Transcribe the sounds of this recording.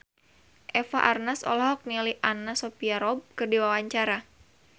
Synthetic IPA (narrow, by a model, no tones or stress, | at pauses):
ʔɛfa̰ʔarnasɔ̰lɔɦɔk̚niliʔanasɔpiaɾɔb̚kɨrdiwawaɲt͡ʃaɾa